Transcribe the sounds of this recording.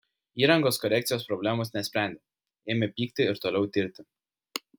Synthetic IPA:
iːɾɐŋɡoːskɔɾʲɛˑk̚t̪sʲɪjoːspɾɔbʲlʲæmoːˑsnʲɛsʲpʲɾʲæˑnʲd̪ʲeː | eːmʲɪpʲiːkt̪ʲɪɪɾt̪oːlʲɛʊt̪ʲɪɾʲt̪ʲɪ

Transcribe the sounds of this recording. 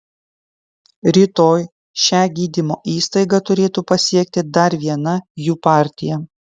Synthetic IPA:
ɾʲiːt̪oːj | ʃʲæːɡʲiːd̪ʲɪmoːʔiːst̪ɐɪɡɐt̪ʊɾʲeːt̪uːpɐsʲiɛk̚t̪ʲɪd̪ɐɾʋʲiɛnɐjuːpɑːˑɾʲt̪ʲɪjɛ

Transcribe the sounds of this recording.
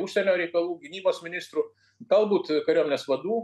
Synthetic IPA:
ʊʃʲsʲɛnʲoːɾʲɛɪkɐlˠuːɡʲɪnʲiːboːsmʲɪnʲɪst̪ɾu | t̪ɐlˠbuːt̪kɐɾʲoːmʲnʲɛsʋɐd̪uː

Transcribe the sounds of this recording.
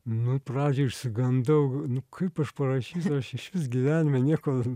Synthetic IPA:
nʊprɑːd͡ʒʲɛʃsɨɡɐnd̪ɐʊnʊkʰɐɪpɐʃpɐɾɐʃʲiːsɐɐʃɪʃʲʋʲɪsɡʲɪʋʲæːnʲɪmʲɛnʲiɛko

